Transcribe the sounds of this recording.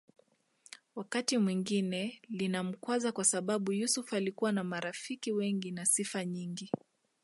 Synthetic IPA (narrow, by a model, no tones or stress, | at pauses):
wakatimwiŋɡinɛlinam̩kwazakwasaɓaɓujusufalikuwanamaɾafikiwɛŋɡinasifaɲiŋɡi